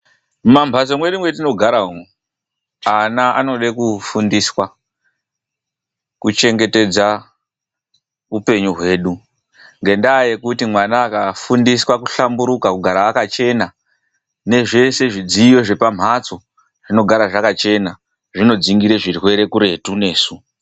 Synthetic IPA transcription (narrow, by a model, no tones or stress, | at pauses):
mambʱaso̞mwe̞ɗumwe̞tino̞ɡʱaɾau | anaano̞ɗekufundiswa | kut͡ʃe̞ŋɡe̞te̞d͡za | upe̞ɲuɦwe̞ːɗu | ŋɡe̞ndaːje̞kutimwanaːkafundiswakuɬambuɾukakuɡʱaɾaːkat͡ʃe̞na | ne̞ʐe̞se̞ʐid͡ziːjo̞ʐe̞pam̤at͡so̞ | ʐ̥ino̞ɡʱaɾaʐakat͡ʃe̞na | ʐino̞d͡ziŋɡiɾe̞ʐirwe̞ɾe̞kuɾe̞tune̞ːsu